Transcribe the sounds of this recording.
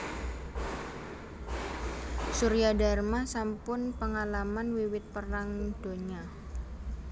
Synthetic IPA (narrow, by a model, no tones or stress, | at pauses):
suɾijada̤rmasampʊnpəŋalamanwiwɪt̪̚pəɾaŋd̥o̤ɲa